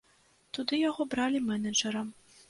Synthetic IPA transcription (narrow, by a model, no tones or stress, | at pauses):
t̪ud̪ɨjaɣɔbɾalʲimɛnɐd͡ʒɛɾɐm